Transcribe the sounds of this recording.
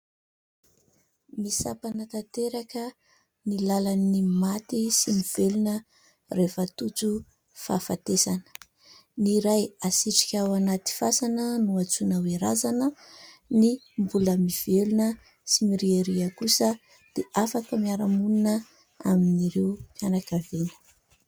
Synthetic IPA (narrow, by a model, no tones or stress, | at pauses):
misapanət̪at̪eɾakə | nilalanimat̪isimiv̥elunə | refət̪ut͡su | fafat̪esanə̥ | niɾajasiʈ͡ʂi̥kʲawanat̪i̥fasanənuat͡sunaweɾazanəni | mbuləmiv̥elunə | simiɾiaɾiakusə | d̪̥eʔafakəmiaɾamununə | a̰miniɾewkanakavenə̥